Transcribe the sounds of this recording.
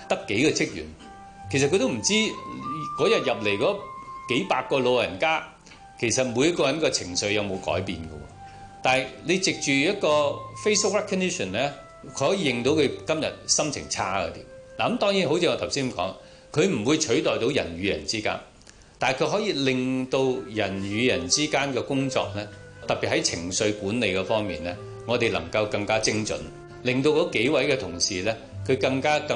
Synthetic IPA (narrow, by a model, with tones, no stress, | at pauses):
t̪ɐ˥kːe˨˥jkɔ˧t͡sʰɪ˥k̚jy̰˨˩n | kʰe˨˩sɐ˨t̚kɵ˧t̪o˥m̩˨˩t͡siː˥kɔː˨˥jɐ˨t̚jɐ˨p̚le˨jkɔː˨˥ke˨˥jpaː˧t̚kːɔː˧lo˨˧wjɐ̰˨˩nkaː˥ | kʰe˨˩jsɐ˨t̚muː˨˧jɐ˥t̚kːɔː˧jɐ˨˥nkɔː˧t͡sʰɪ˨˩ŋsɵ˨˧ɥjɐ˨˧wmo˨˧wkɔ̰ː˨˥jpiː˨˧nkɐ̰˧wɔ̰ː˧ | t̪aː˨jle˨˧t͡sɪ˨k̚t͡ʃyː˨jɐ˥t̚kɔː˧fe˥sbʊ˥k̚ɹɛ˥kʰːɔ˧˥ni˥ʃɔ˨˩nlɛː˥ | kʰɵ˧hɔː˨˥jiː˧jɪ˨˧ŋt̪o˨˧˥wkʰɵ˨˧ɥkɐ˥mjɐ̰˨t̚sɐ˥mt͡sʰɪ̰˨˩ŋt͡sʰa̰ː˥kɐ̰˧t̪ḭː˨˩mlaː˨ɐ˨˦mt̪ɔː˥ŋjiː˨˥nɦo˨˥wt͡siː˧ɔ˨˧t̪ʰwsiː˥nm˨˩kɔ̰ː˨˥ŋ | kʰɵ˨˧ɥm̩˨˩wuː˨˧jt͡ʃʰɵ˨˥ɥt̪ɔː˨jt̪o˨˥wjɐ̰˨˩nɥyː˨˧jɐ̰˨˩nt͡siː˥ka̰ː˥n | t̪aː˨kʰɵ˧ɦɔː˨˥jiː˧lɪ˨ŋt̪o˧wjɐ˨˩nɥyː˨˧jɐ˨˩nt͡siː˥kaː˥nkɛː˧kʊ˥ŋt͡sɔ̰ː˧k̚lɛː˥ | t̪ɐ˨k̚pːiː˨t̚hɐ˨˥jt͡sʰɪ̰˨˩ŋsɵ˧ɥkuː˨˥nːe˨˧jkɛː˧fɔː˥ŋmḭː˨nlɛː˥ | ŋɔː˨˧t̪e˨jlɐ̰˨˩ŋkɐ˧wkɐ˧ŋkaː˥t͡sɪ˥ŋt͡sɵ̰˨˥n | lɪ˨ŋt̪o˧wkɔ˨˧˥ke˨˥jwɐ˨˥jkɛː˧t̪ʰʊ˨˩ŋsiː˨lɛ˥ | kʰɵ˨˧ɥkɐ˧ŋkaː˥kɐ˧